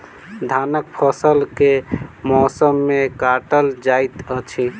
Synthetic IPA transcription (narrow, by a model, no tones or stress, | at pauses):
d̪ʱanək̚pʰəsəlkemɔsəmːekaʈəld͡ʒajt̪ət͡ʃʰi